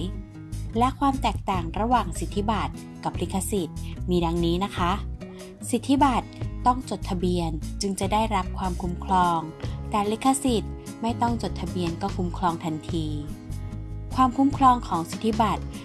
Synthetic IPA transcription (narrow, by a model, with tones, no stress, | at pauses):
lɛ˦˥ʔkʰwaː˧mt̪ɛː˨˩k̚t̪aː˨˩ŋɾa˧waː˨˩ŋsi˨˩t̪ʰːi˦˥ba˨˩t̪̚ | ka˨˩p̚li˦˥kʰːa˧si˨˩t̪̚miː˧da˧ŋniː˦˥na˦˥kʰa˦˥ | si˨˩t̪ʰːi˦˥ba˨˩t̪̚ːɔ˥˩ŋt͡ɕo˨˩t̪ʰːa˧bi˧ənt͡ɕɯ˧ŋt͡ɕa˨˩daː˥˩jɾa˦˥p̚kʰwaː˧mkʰu˨˧˥mkʰlɔː˧ŋt̪ɛː˨˩li˦˥kʰːa˧si˨˩t̪̚ma˥˩jt̪ɔ˥˩ŋt͡ɕo˨˩t̪ʰːa˧bi˧ənkɔː˥˩kʰu˧˥mkʰlɔː˧ŋt̪ʰa˧nt̪ʰiː˧ | kʰwaː˧mkʰu˧˦˥mkʰlɔː˧ŋkʰɔː˩˦ŋsi˨˩t̪ʰːi˦˥ba˨˩t̪̚